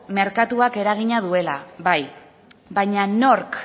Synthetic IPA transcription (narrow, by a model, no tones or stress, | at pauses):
me̞ɾkat̪uake̞ɾaɣ̞iɲaðue̞laβaj | bajɲano̞ɾk